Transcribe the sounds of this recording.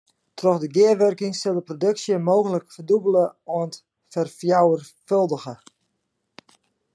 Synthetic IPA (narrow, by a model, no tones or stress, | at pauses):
trɔxdəɡɪəʋørkɪŋsɪlˠdəprodɵksjəmoːɣənləkfərdubələont | fərfjawər | følˠdəɣə